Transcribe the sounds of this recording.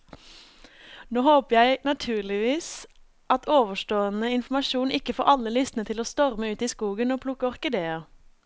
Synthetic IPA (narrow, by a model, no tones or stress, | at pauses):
noːhoːpəjæɪnɑt̪ʰʉːɭɪʋiːs | ʔɑt̪ʰoːʋəʃʈoːənəɪnfmɑʃuːnɪkəfo̰ːʁʔɑləlʏst̪n̩ət̪ʰɪloːst̪ɔʁməʉːt̪iːskuːɡənoːpʰlʊkəɔʁkəd̪eːɑ